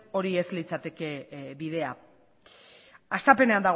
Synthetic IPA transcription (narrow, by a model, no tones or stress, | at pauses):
o̞ɾie̞zlit͡sat̪e̞ke̞βið̞e̞a | ast̪ape̞ne̞and̪aɣ